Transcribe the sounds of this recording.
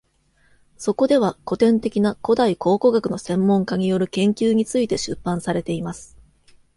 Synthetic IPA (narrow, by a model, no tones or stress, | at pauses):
so̞ko̞d̪e̞β̞ako̞t̪ẽ̞nt̪e̞kʲinako̞d̪aiko̞ːko̞ɡakɯ̟no̞sẽ̞mːõ̞ŋkaɲ̟ijo̞ɾɯ̟kẽ̞ŋkʲɨːɲ̟it͡sɨit̪e̞ɕɨpːãɰ̃saɾe̞t̪e̞imasɨ̥